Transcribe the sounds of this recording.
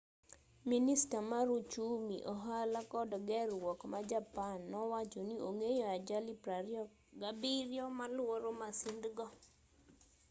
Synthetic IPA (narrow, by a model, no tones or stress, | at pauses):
ministamaɾut͡ʃumḭʔɔɦalakɔdɔɡɛrwɔkmad͡ʒapanːɔwat͡ʃonioŋejɔad͡ʒalipɾaɾjɔ | ɡabiɾjɔmalwoɾomasind̪ɡɔ